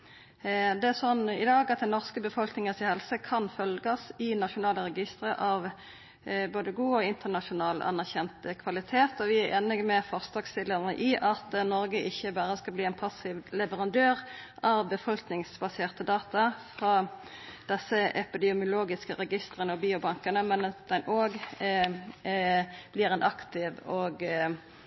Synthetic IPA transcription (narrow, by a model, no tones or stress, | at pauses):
d̪ɛæsɔnːɪd̪ɑːɡɑt̪̚d̪ɛnɔʁskəbəfɔlknɪŋənsɪhɛlsəkʰɑnfœlɡəsɪnɑʂʊnɑːləʁɛɡɪst̪ʁəʔɑʋ | boːd̪əɡuːɔɪnt̪ənɑʂʊnɑːlɑ̰nːæʁçɛnt̪əkʰʋɑlɪt̪ʰeːt̪ɔʋɪæɾeːnɪɡmɛfɔʁsd̪ɑːɡst̪ɪləʁnə̰ʔɪʔɑt̪nɔʁɡəʔɪçːəbæːʁəskɑbliːɛːnpʰɑsɪʋlɛʋəʁɑnd̪øːʁ | ʔɑʋbəfɔlknɪŋsbɑseːʁt̪əd̪ɑːt̪ɑfʁɑːd̪̥ɛsːəʔɛpɪd̪ɛʊmjʊloːɡɪskəʁɛɡɪst̪ʁənəɔbiːʊbɑŋkənəmɛnɑt̪̚d̪ɛnʔoːɡ | b̥liːʁɛnʔɑkt̪ɪʋɔːɡ